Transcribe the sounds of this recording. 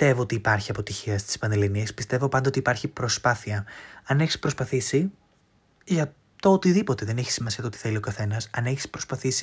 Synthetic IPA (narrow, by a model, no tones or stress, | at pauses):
t̪e̞vo̞ot̪iːpɐɾçiɐpo̞t̪içiɐst̪i̥spɐneliniespi̥st̪e̞vo̞pɐnd̪ɐo̞t̪ipɐɾçipɾo̞spɐθiɐɐne̞çi̥spɾo̞spɐθisi | ʝɐ | t̪oot̪iðipo̞t̪e̞ðe̞neçi̥simɐsiɐt̪ot̪i̥θe̞lio̞kɐθe̞nɐsɐneçi̥spɾo̞spɐθisi̥